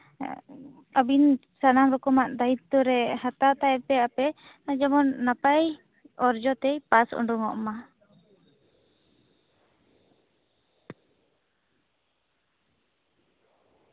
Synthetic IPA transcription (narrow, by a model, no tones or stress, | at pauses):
abin | sanamɾɔkɔmaʔd̪ait̪ːuɾɛhat̪at̪aɛpɛapɛ | ad͡ʒamɔnːapaj | ɔɾd͡ʒɔt̪ɛjpasɔ̰ɳɖuŋɔʔma